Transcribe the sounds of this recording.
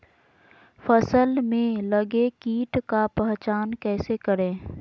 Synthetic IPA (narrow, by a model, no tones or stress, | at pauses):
fəsəlmẽləɡekiːʈkapɛɦt͡ʃaːnkɛːsekəɾẽː